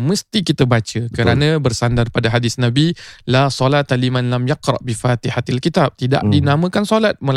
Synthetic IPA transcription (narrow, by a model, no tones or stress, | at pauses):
mə̃st̪ikit̪abat͡ʃəkəɾanãbərsandarpadaɦadɪsnãbilasolat̪alimãnlamjaqɾɑ̰ʔbifat̪ihat̪alkit̪ab̚t̪ida̰ʔdinamə̃kansolat̪̚məl